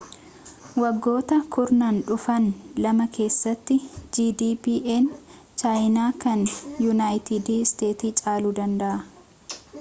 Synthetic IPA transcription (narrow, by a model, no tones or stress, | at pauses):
wɐɡːo̞ːt̪ɐkʰʊɾnaːnᶑʊfɐnlɐmɐkʰe̞ːsːɐt̪ːɪd͡ʒiːd̪iːpiːʔeːn | t͡ʃajnaːkɐnjʊnaːjt̪ɪd̪ist̪e̞ːt̪iːt͡ʃʼaːluːd̪ɐnd̪ɐʔɐ